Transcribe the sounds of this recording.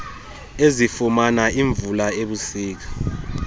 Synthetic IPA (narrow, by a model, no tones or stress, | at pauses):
ezifumanaʔiɱvulaeɓusiːk̬ḁ